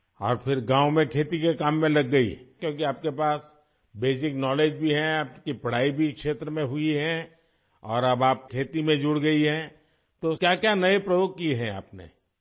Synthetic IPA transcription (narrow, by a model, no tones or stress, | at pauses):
ɔ̰ːɾpʰɪɾɡãːʊmẽkʰeːt̪ikekaːmːẽlɐɡːɐḭɦkjõːk̬iaːp̚kepaːs | beːsɪknɔːleːd͡ʒbʱiɦɛaːpkipɐɽ̤aːibʱikʃeːt̪ɾəmẽɦʊiɦɛ̃ | ɔːɾɐbaːp̚kʰeːt̪imẽd͡ʒʊɽɡɐiɦɛ̃ | t̪okjakjanɐepɾɐjoːɡ̚kiɦɛ̃a̰ːpnḛ